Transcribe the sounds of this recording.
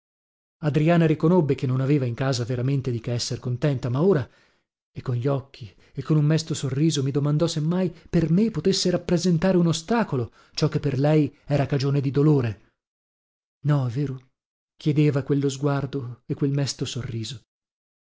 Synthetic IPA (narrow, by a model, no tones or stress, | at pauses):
ad̪ɾiaːnaɾikonobːekenːonaveːvaiŋkaːzaveɾament̪ed̪ikeɛsːerkont̪ɛnt̪amaoːɾa | ekːonʎiɔkʰːi | ekːonummɛst̪osorːiːzomid̪omand̪ɔsemːajpermepot̪esːeɾapːɾezent̪aːɾeunost̪aːkolo | t͡ʃɔkːepːerlɛjɛːɾakad͡ʒoːned̪id̪oloːɾe | nɔɛvːeːɾo | kjed̪eːvakwelːozɡward̪oekːwelmɛst̪osorːiːzo